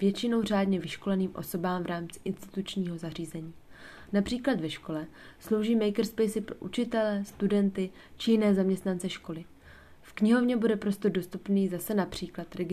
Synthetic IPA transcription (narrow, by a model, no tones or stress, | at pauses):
vjɛt͡ʃɪno̞wr̝aːdɲɛvɪʃko̞lɛniːmʔo̞̰so̞baːmvɾaːmt͡sɪ̥ʔɪnst̪ɪ̥t̪ut͡ʃɲiːɦo̞zar̝iːzɛɲiː | napr̥iːklat̪vɛʃko̞lɛslo̞wʒiːmɛjkɾspɛjsɪpɾoʔut͡ʃɪt̪ɛlɛst̪udɛnt̪ɪ | t͡ʃɪjɪnɛːzamɲɛst̪nant͡sɛʃko̞lɪ | fkɲɪɦo̞vɲɛbudɛpɾo̞st̪o̞ɾdo̞st̪upniːzasɛnapr̝̥iːklat̪ɾɛɡɪ